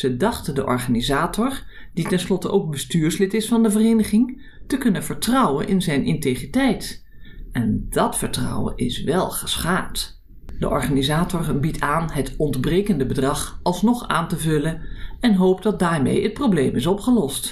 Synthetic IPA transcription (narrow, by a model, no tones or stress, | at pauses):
z̥ədɑχtədəʔɔ̰ɹχaːnizaːtɔɹ | d̥itɛnslɔtəʔowk̚bəstyːɹslɪtɪsfɑndəvərejnəχɪŋ | təkɵnəv̥əɹtrʌwə̰nʔɪ̰nzɛjnʔɪntejχitɛjt | ɛnd̥ɑtfəɹtrʌ̰wə̰nʔɪsʋɛlˠχə̥sχaːpt | d̥ə̰ʔɔ̰ɹχaːnizaːtɔɹbitʰaːnɦətɔndbrejkəndəbədrɑχɑlˠsnɔχa̰ːntəvɵlənɛnɦowp̚dɑt̚daːɹmḛjət̚prowblejmɪs̬ɔpχəlɔst